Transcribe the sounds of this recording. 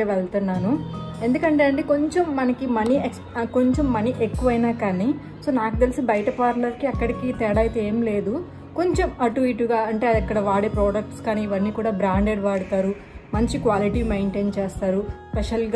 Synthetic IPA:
eʋeɭt̪unːaːnue̞nd̪ukɐɳʈeɐɳʈeːko̞ɲt͡ʃemːɐnɐkimɐnieksko̞ɲt͡ʃemːɐniʔe̞kːuʋɐjnaːkaːni | so̞ːnaːkut̪elisibɐjɐʈɐpaːɾlɐɾkiɐkːɐɽikit̪ɛːɽaːjt̪eeːmle̞ːd̪u | ko̞ɲt͡ʃemɐʈuʋiːʈːuɡaːɐɳʈe̞ːɐɐkːɐɽɐʋaːɽepɾoːɖɐk̚ʈskaːniːʋɐnːiːkuːɽaːbɾaːɳɖeɖʋaːɽut̪aːɾu | mɐɲt͡ʃikʋaːliʈimejɳʈeːnt͡ʃeːst̪aːɾuspeʂɐlɡ

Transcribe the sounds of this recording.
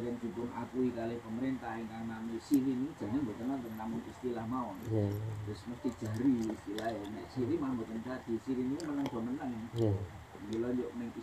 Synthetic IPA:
ɾɛnd͡ʒ̥upʊnʔa̰kuikalɪhpəməɾent̪ahɪŋkaŋnamisiɾinid̥d͡ʒ̥a̤ŋanbot̪ənaŋt̪əŋnamʊŋist̪ilahmaɔnt̪ʊsməst̪i̥ʒ̥a̤ɾiːst̪ilahjanɛ̰ʔsiɾimambot̪ənt̪ad̪̥i̤siɾinikimənəŋd̥ɔ̤mənəŋ | əkilonoʔnɪŋi

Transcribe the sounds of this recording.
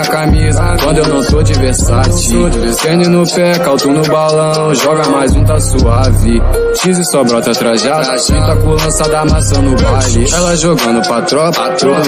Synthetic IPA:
ɐkamizɐkwɐ̃nd̪ʊewnɐ̃w̃t̪od͡ʒiveɾsat͡ʃi | esẽnʊnʊpɛkawt̪unʊbalɐ̃w̃ʒɔɡɐmajzũt̪ɐsuavɪ | ʃizɪsɔbɾɔt̪ɐt̪ɾaʒa | ʒũt̪ɐkõlɐ̃sad̪amasɐ̃w̃nʊbalɪɛlɐʒoɡɐ̃nʊpat̪ɾɔ̃at̪ɾõ

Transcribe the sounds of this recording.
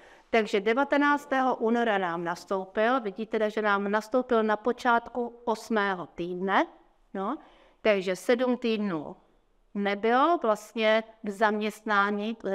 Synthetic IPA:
t̪aɡʒɛdɛvat̪ɛnaːt͡st̪ɛːɦoʔuːnoɾanaːmnast̪owpɪlvɪɟiːt̪ɛdaʒɛnaːmnast̪owpɪlnapo̞t͡ʃaːt̪kuʔosmɛːɦot̪iːdnɛ | no | t̪aɡʒɛsɛdumt̪iːdnṵː | nɛbɪlovlast̪ɲɛɡzamɲɛst̪naːɲi

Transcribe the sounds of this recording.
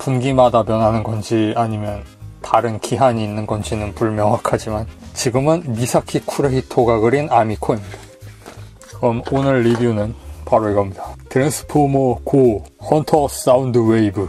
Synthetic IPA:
punɡimadapjʌnɦanɯnɡʌnd͡ʑiaɲimjʌntaɾɯnkiɦaɲiːnːɯnɡʌnd͡ʑinɯnpuɭmjʌŋwakʰad͡ʑimant͡ɕiɡɯmɯnmisʰakʰikʰuɾeitʰoɡaɡɯɾinamikʰoimɲid̥ḁ | kɯɾʌmonɯɭːibionɯnpaɾoiɡʌmɲidḁtɯɾensʰɯ̥pʰomokohʌntʰʌs͈aundɯweibɯ

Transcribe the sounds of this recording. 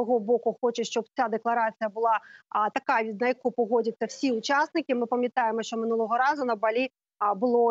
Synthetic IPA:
ɔɣɔbɔkʊxɔt͡ʃɐʃt͡ʃɔb̚t͡sʲad̪ɛklˠɐɾat͡s̪ʲɨjɐbʊlˠat̪ɐkaʋʲid̪nɐjɐkupɔɣɔd͡zʲɐt͡sʲːɐwsʲiʊt͡ʃasnɨkʲimɨpɐmʲjɐt̪ajɛmɔʃt͡ʃɔmɪnulˠɔɣɔɾazʊnɐbalʲi | bʊlˠɔ

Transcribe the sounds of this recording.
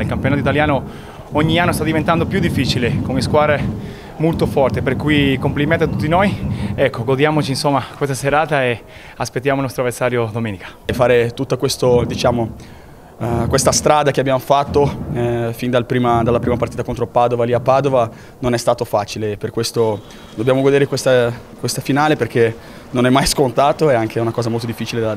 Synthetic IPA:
ilkampeonod̪it̪aljaːno | oɲːianːost̪ad̪ivent̪and̪opjud̪ifːiːt͡ʃilekoneskwaːd̪ɾe | molt̪ofɔrt̪eperkujkompliment̪oat̪ːut̪ːinojɛkːoɡod̪jaːmot͡ʃinsomːakwest̪aseɾaːt̪ae | aspet̪ːjamoilnɔst̪ɾoaversaːɾjod̪omeːnikḁjfaːɾet̪ut̪ːakwest̪od̪it͡ʃaːmo | kwest̪ast̪ɾaːd̪akeabːjaːmofat̪ːo | find̪alpɾiːmad̪alapɾiːmapaɾrt̪iːt̪akont̪ɾopaːd̪ovaliapːaːd̪ova | nonɛst̪aːt̪ofaːt͡ʃileːperkwest̪o | d̪obːjaːmoɡod̪eːɾekwest̪akwest̪afinaːleperk̟e | nonɛmːajskont̪aːt̪oɛaŋkeɛunakɔːzamolt̪od̪ifːit͡ʃile

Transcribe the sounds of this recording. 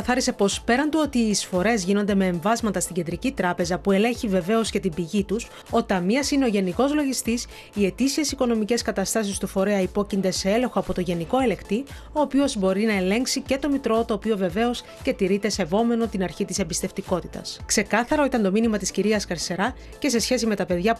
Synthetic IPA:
kɐθɐɾise̞po̞spe̞ɾɐnd̪uo̞t̪iːsfo̞ɾe̞zʝino̞nd̪e̞me̞ːɱvɐzmɐt̪ɐst̪iɟe̞nd̪ɾicit̪ɾɐpe̞zɐpue̞le̞çive̞ve̞o̞sce̞t̪imbiʝit̪us | o̞t̪ɐmiɐsine̞o̞ʝe̞niko̞zlo̞ʝist̪is | ie̞t̪isie̞siko̞no̞mice̞skɐt̪ɐst̪ɐsist̪ufo̞ɾe̞ɐipo̞cind̪e̞see̞le̞xo̞ɐpo̞t̪o̞ʝe̞niko̞e̞le̞kt̪i | o̞ːpiozbo̞ɾinɐe̞le̞ŋksice̞t̪o̞mit̪ɾo̞t̪o̞ːpio̞ve̞ve̞o̞s | ce̞t̪iɾit̪e̞se̞vo̞me̞no̞t̪inɐɾçit̪ise̞mbist̪e̞ft̪iko̞t̪i̥t̪ɐ̰skse̞kɐθɐɾo̞it̪ɐnt̪o̞minimɐt̪isciɾiɐskɐɾse̞ɾɐ | ce̞se̞sçe̞s̬ime̞t̪ɐpe̞ðʝɐ

